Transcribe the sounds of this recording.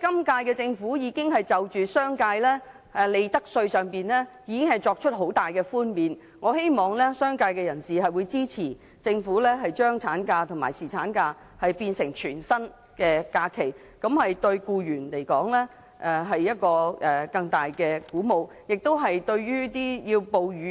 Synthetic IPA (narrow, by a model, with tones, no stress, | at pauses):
kɐ˥mkaː˧jkɛː˧t͡sɪ˧ŋfuː˨˥jiː˨˧kɪ˥ŋɦɐ˨jt͡sɐ˨wt͡ʃyː˨sœː˥ŋkaː˧jlɛː˥ | ɛ˨˩le˨˧jt̪ɐ˥k̚sɵ˧ɥsœː˨ŋpiː˨nlɛː˥jiː˨˧kɪ˥ŋhɐ˨jt͡sɔː˧k̚t͡ʃʰɵ˥t̚ɦo˨˥wt̪aː˨˩jkɛː˧fuː˥nmiː˨n | ŋɔː˨˧he˥jmɔː˨ŋlɛː˥sœː˥ŋkaː˧jkɛː˧jɐ˨˩nsiː˨ɦɐ˨jwuː˨˧jt͡siː˥t͡sʰiː˨˩ | t͡sɪ˧ŋfuː˨˥lɛː˥ɦɐ˨jt͡ʃœː˥ŋt͡sʰaː˨˥nkaː˧t̪ʰʊ˨˩ŋma̰ː˨˩jsiː˨˩t͡sʰaː˨˥nkaː˧ | hɐ˨jpiː˧nsɪ˨˩ŋt͡ʃʰyː˨˩nsɐ˥n | kɛː˧kaː˧kʰe˨˩j | kɐ˨˧˥mhɐ˨jt̪ɵ˧ɥkuː˧jyː˨˩nle˨˩jkɔː˨˥ŋlɛː˥ | ʔɛ˨˧ɦɐ˨jːɐ˥t̚kɔː˧ʔɛː˨˩kɐ˧ŋt̪aː˨jkɛː˧kuː˨˥mo˨w | jɪ˨k̚t̪o˥wɦɐ˨jt̪ɵ˧ɥɥyː˥t̪iː˥ji˧wpo˨wjyː˨˧